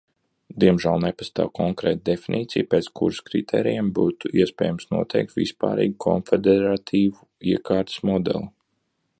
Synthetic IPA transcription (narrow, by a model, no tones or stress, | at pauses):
d̪iɛmʒæːlˠnepast̪a̰ːwkʰɔŋkɾɛːt̪̚d̪efinʔiːt̪sijpɛːt̪skʰṵɾskɾit̪ʰɛ̰ːɾijɛmbuːt̪uiɛspʲɛ̰ːjamsnuɔt̪ʰɛ̰jk̚t̪vḭspa̰ːɾḭːɡukʰɔnfed̪ɛɾat̪ʰiːvu | iɛkʰaːɾt̪smɔd̪ɛ̰lˠu